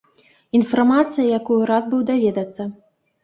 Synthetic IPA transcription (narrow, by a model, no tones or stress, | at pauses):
infarmat̪sɨjɐjakujuɾad̪̚bɨwd̪avʲɛd̪ɐt̪sːɐ